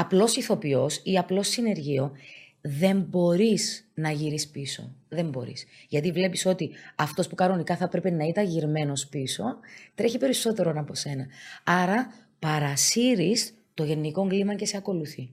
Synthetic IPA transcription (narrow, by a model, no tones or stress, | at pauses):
ɐplo̞siθo̞pio̞siɐplo̞sine̞ɾʝio̞ | ðe̞mbo̞ɾisnɐʝiɾispiso̞̰ðe̞mbo̞̰ɾḭsʝɐt̪ivle̞piso̞t̪iɐft̪o̞spukɐno̞nikɐθɐpɾe̞pe̞nɐit̪ɐɲʝiɾme̞no̞spiso̞t̪ɾe̞çipe̞ɾiso̞t̪e̞ɾonɐpo̞se̞nɐɐɾɐ | pɐɾɐsiɾis | t̪o̞ʝe̞nːiko̞ŋɡlimɐce̞se̞ɐko̞luθi